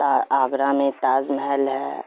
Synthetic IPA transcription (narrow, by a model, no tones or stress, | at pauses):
t̪aaːɡɾamẽt̪aːzməɦəlɦɛː